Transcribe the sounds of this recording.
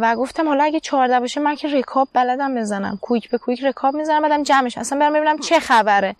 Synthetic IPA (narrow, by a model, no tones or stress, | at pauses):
væɡo̞ft̪ʰæmhɒlɒæɟʲet͡ʃʰɒːɾd̪æbɒːʃemæncʰere̞kʰɒːbːælæd̪æmbezænæ̰mkʰujicʰbe̞kʰuicre̞kʰɒːbmizænæmbæːd̪æmd͡ʒæmeʃæmæsænmbeɾæmbebinæmt͡ʃʰe̞xæbæɾe